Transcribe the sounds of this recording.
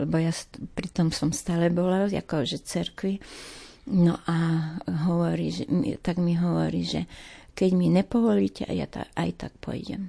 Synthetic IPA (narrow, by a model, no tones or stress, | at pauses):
lɛbɔjaspɾit̪ɔmsɔmst̪aːlɛbɔlala̰kɔʒɛt͡sɛɾkʋi | nɔʔaɦɔʋɔɾiːʒɛmḭt̪aɡmiɦɔʋɔ̰ɾḭːʒɛ̰kɛɟmiɲɛpɔʋɔliːcɛa̰ja̰t̪a̰ʔa̰jt̪ak̚pɔ̰jɟɛ̰m